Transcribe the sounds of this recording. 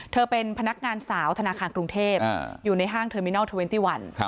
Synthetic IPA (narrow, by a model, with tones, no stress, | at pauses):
t̪ʰɤː˧pe˧npʰa˧na˦˥k̚ŋaː˧nsaː˩˦wt̪ʰa˧naː˧kʰaː˧nkɾu˧ŋt̪ʰeː˥˩p̚ːjuː˨˩na˧jɦaː˥˩ŋt̪ʰɤː˧mi˦˥nɔː˥˩t̪ʰu˧we˦nt̪iː˥˩wa˧n˧